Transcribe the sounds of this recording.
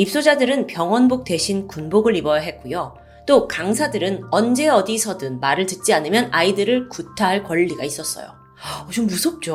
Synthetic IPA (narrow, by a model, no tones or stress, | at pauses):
ip̚s͈od͡ʑadɯɾɯnpjʌŋwʌnbok̚t͈e̞ɕʰinkunboɡɯɾibʌjaɦe̞t̚k͈ujo | t͈okaŋsʰadɯɾɯnʌnd͡ʑe̞ʌdisʰʌdɯnmaɾɯɭtɯt̚t͡ɕ͈ianɯmjʌnʔaidɯɾɯɭkutʰaɦaɭkwʌɭːiɡais͈ʌs͈ʌ̰jo̰ | ʌt͡ɕomːusʰʌp̚t͡ɕ͈o